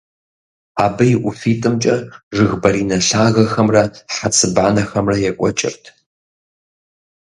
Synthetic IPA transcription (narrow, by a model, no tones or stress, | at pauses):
aːbɨjʔʷʊfiːtʼɨmt͡ʃʼɐʐɨɣbɐɾiːnɐɬaːɣɐxɐmrɐħat͡sʰɨbaːnɐxɐmrɐjɛkʷʼɔ̰t͡ʃʼɪ̰rtʰ